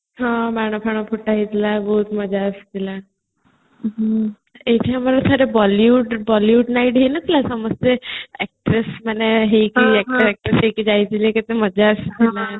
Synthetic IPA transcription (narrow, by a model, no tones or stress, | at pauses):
ɦãmɛɳ̃opʰaɳ̃opʰuʈaɦit̪labəɦut̪məd͡ʑʱaəst̪ila | eʈ̪ʰijãməlasʰaɾebɔljuːʈbɔljuːʈnaiʈɦenət̪ilasəməst̪eɛk̚ʈɾesmaneɦekiɛk̚ʈɛk̚ʈɾesɦekid͡ʑajt̪ilekət̪eməd͡ʑʱaəst̪ila